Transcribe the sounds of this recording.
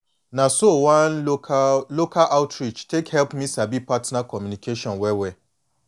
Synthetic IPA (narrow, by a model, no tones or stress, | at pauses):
nãsowãn | lokʰalʔaʊtʰɹit͡ʃtʰekhɛlpmĩsabipʰatnãkʰɔmjũnikʰeʃɔ̃nwɛwɛ